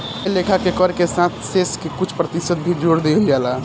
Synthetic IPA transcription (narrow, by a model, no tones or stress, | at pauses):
lekʰakekəɾkesãt̪ʰseskekut͡ʃʰpɾət̪isət̪̚bʱid͡ʒoɽd̪eld͡ʒala